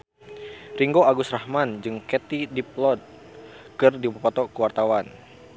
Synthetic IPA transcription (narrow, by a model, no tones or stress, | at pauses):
riŋɡoaɡʊsrahmand͡ʒɨŋkɛt̪idip̚lɔt̪̚ | kɨrdipapɔt̪ɔkuwart̪awan